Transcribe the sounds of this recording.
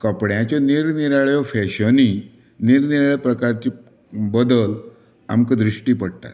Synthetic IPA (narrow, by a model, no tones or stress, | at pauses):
kəpɽjãt͡ɕɔniɾniɾaɭjɔfɛɕəni | niɾniɾaɭjɔpɾəkaɾt͡ɕiː | bəd̪əl | a̰mkəd̪ɾiʂʈiːpəɽt̪a̰t̪